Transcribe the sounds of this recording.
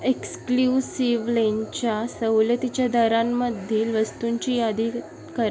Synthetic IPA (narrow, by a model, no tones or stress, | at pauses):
ekskljusiʋlent͡ɕjasəwljət̪it͡ɕjad̪əɾamːəd̪ʱːiːlʋəst̪uɲt͡ɕiːjad̪i | kəɾ